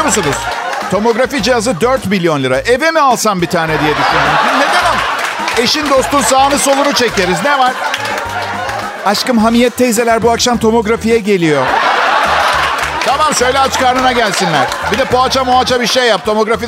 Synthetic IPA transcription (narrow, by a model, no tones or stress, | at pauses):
musunuz̥ | t̪ʰo̞mo̞ɡɾafid͡ʒijazɯd̪øɾt̪milʲjo̞nlʲˠɯɾaʔe̞vimialˠsanbit̪ʰaːnɛd̪ijɛd̪iʃʲeimined̪enome̞ʃind̪o̞st̪unsaːnɯso̞lˠunut͡ʃʰe̞ceɾiznevaɾ̥ | aʃkɯmɦamijɛt̪ʰːejze̞lʲæɾbuakʃamt̪ʰo̞mo̞ɡɾafijɛɟe̞lʲijo̞ | t̪ʰamamʃø̞jlʲɛat͡ʃkaɾnɯnaɟælʲsinlʲæɾ̥bid̪ɛpo̞at͡ʃamoat͡ʃabiɾʃe̞jːap̚t̪ʰo̞mo̞ɡɾafi